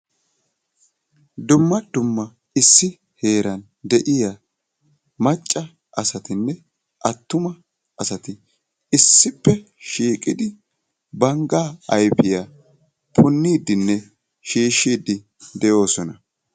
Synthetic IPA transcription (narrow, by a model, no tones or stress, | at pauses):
d̪ʊmːɐd̪ʊmːɐ | ɪsːɪ | he̞ːɾɐn | d̪ɛʔɪja | mɐt͡ʃʼːɐ | ʔɐsɐt̪ɪnːɛ | ʔɐt̪ːʊmɐ | ɐsɐt̪ɪ | ɪsːɪpːɛ | ʃiːkʼɪd̪ɪ | bɐŋɡaːɐjpɪja | pʰʊnːiːd̪ɪnːɛ | ʃiːʃiːd̪ɪ | d̪ɛjo̞ːsɔnɐ